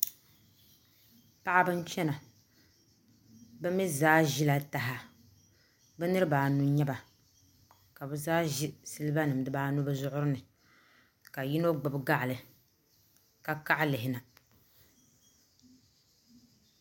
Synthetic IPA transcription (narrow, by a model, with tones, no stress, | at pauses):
pa˦ʔa˦bɨ˦n˦t͡ʃɛ˦na˨ | bɨ˦mi˦zaː˦ʒi˦la˦ta˨ɦa˦ | bɛ˦nɨ˦ɾɨ˦baː˨nu˦ɲɛ˦ba˨ | ka˨bɨ˦zaː˦ʒi˦sɨ˦lɨ˦ba˦nɨ˨m˨dɨ˦baː˦nu˦bɨ˦zʊ˦ʔʊ˦ɾɨ˦nɨ˨ | ka˨ji˦no˦ɡ͡bɨ˨bɡa˦ʔlɨ˨ | ka˨ka˦ʔlɪ˨ɦɪ˨na˨